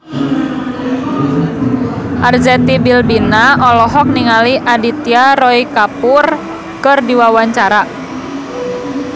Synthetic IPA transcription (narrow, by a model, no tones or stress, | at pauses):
ʔard͡ʒɛt̪ibilbinaʔɔlɔɦɔk̚niŋaliʔadit̪iaɾɔikapur | kɨrdiwawaɲt͡ʃaɾa